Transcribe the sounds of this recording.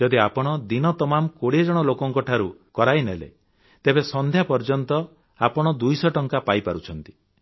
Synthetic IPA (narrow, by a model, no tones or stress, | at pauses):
d͡ʒɔd̪iapɔɽ̃ɔd̪inɔt̪ɔmamkoɽied͡ʒɔɽ̃ɔlokɔŋkɔʈʰaɾukɔɾajnelḛ | t̪ebesɔnd̪ʱjapɔɾd͡ʒɔnt̪ɔ | apɔɽ̃ɔd̪ujsɔʈɔŋkapajpaɾut͡ʃʰɔnt̪i̥